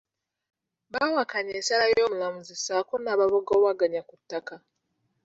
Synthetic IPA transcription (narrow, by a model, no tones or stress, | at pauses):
bawakaɲeːsalajoːmulamuzisaːkonaβaβoɡoːβaɡaɲakutːaka